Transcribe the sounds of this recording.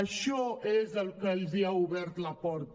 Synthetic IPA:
əʃɔezəlkəlziauβɛɾt̪lapɔɾt̪

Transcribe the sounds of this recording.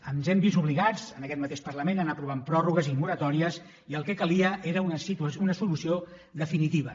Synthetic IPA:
ənzɛmbizuβliɣad͡zənəkɛt̪mət̪eʃpəɾləmenənapɾuβ̞ampɾɔruɣəzimuɾət̪ɔɾiəs | iəlˠkɛkəliəʔeɾəunəsit̪unəsulusio | ðəfinit̪iβ̞ə

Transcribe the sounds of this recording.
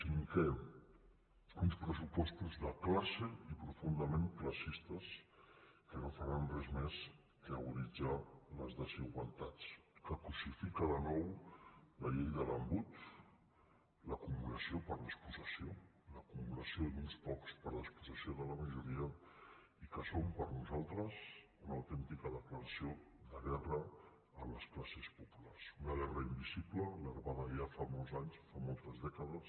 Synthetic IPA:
t̪iŋkɛm | unspɾəsupɔst̪uzðəklaɾselipɾufund̪əmemkləsist̪əs | kənofəɾanrɛzmes | əəɣuɾid͡zaləzðəziɣwalˠt̪at͡skəkusifikəðənɔw | ləʎejðələmbut̪ | ləkumuɾəsiopəɾləspuzəsio | ləkummuɾəsionunspɔkspəɾləspuzəsioðələməʒuɾiə | ikəsompəɾnuzalˠt̪ɾəs | unəwt̪ɛnt̪ikəðəkləɾəsioðəɣɛrəː | mləsklasəspupularzunəɣɛrəimbiziplələɾβaðəʒafamolˠzaɲsfamɔlˠt̪əzðɛkəðəs

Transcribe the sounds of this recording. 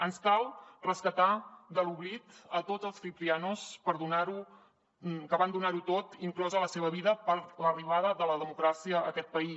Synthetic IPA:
ənskalˠrəskət̪ad̪əluβlit̪ət̪od͡zəlˠsfip̪ɾianuspəɾðunaɾu | kəβand̪unaɾut̪ot̪iŋklɔzələseβəβiðəpəɾt̪ləriβ̞aðəðələðəmukɾasiəːkɛt̪̚pəi

